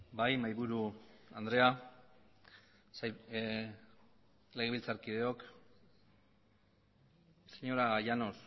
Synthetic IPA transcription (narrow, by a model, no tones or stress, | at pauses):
bajmajβuɾuand̪ɾe̞a | s | le̞ɣ̞eilt͡saɾkið̞e̞o̞k | seɲo̞ɾaɣajano̞s